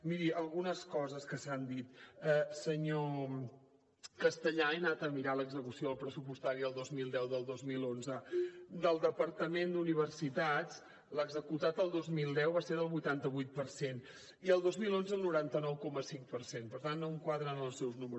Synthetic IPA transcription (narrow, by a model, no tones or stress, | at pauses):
miɾiəlˠɣunəskɔzəskəsand̪it̪ɛsəɲo | kəst̪əʎaenat̪əmiɾaləɡzəkusioəlˠpɾəsupust̪aɾiəlˠd̪ozmilˠd̪ɛwðəlˠd̪ozmilˠonzəd̪əlˠd̪əpəɾt̪əmend̪uniβ̞ərsit̪az | ləɡzəkut̪at̪əlˠd̪ozmilˠd̪ɛwβaseɾðəlˠβujt̪ant̪əβujt̪̚pəɾsen | iəlˠd̪ozmilonzəəlˠnuɾant̪ənɔwkɔməsiŋkpəɾsenpəɾt̪anːoəŋkwaðɾənəlˠsɛwznuməɾu